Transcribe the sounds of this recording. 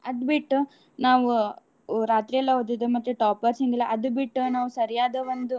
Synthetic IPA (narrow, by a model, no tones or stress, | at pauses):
ɐd̪biʈːu | naːʋu | ɾaːt̪ɾijɛlːɐɦoːd̪id̪emɐt̪ːeʈaːpɐɾsiŋɡilːɐʔɐd̪ubiʈːunaːʋusɐɾijaːd̪ɐʋond̪u